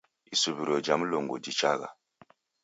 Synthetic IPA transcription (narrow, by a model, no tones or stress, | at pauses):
isubiɾod͡ʒamloŋɡodit͡ʃa̰ɡa̰